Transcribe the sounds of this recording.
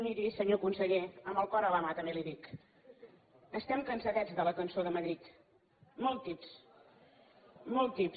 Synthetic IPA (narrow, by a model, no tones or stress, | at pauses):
niɾisəɲokunsəʎeəmbəlˠkɔɾələmat̪əmbeliðik | əst̪ɛmkənsəɣɛd͡zðələkənsoðəməðɾit̪ | mɔlˠt̪ːips | mɔlˠt̪ip